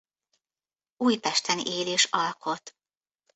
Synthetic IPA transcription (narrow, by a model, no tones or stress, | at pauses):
uːjpɛʃt̪ɛnḭʔeːleːʃɒlkʰo̞t̪